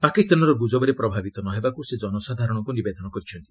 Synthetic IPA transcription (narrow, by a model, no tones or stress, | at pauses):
pakist̪anɔɾɔɡud͡ʒɔbɔɾepɾɔbʱabit̪ɔnɔɦebakused͡ʒɔnɔsad̪ʱaɾɔɽ̃ɔkunibed̪ʱɔnɔkɔɾit͡ʃʰɔnt̪i̥